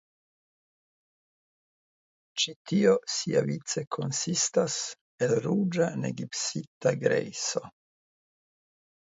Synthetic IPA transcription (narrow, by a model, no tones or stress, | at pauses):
t͡ʃit̪iosia̰vitt͡sekʰonsist̪as | elɾud͡ʒanḛɡipsit̪aɡɾḛjso